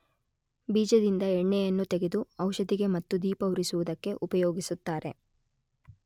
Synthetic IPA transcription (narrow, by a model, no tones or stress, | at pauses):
biːd͡ʒɐd̪ind̪ɐɛɳːɛjɐnːut̪eɡe̞d̪uɐwʃɐd̪iɡe̞mɐt̪ːud̪iːpɐwɾisuʋud̪ɐkːe̞ʔupɐjoːɡisut̪ːaːɾe̞̰